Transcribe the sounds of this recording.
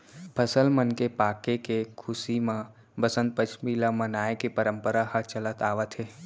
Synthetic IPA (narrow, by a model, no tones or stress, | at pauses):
pʰəsəlmənkepaːkekekʰʊsimã | bəsə̃nt̪̚pət͡ʃʰmilamənaːekepəɾəmpəɾahət͡ʃələt̪aːʋət̪ɦeː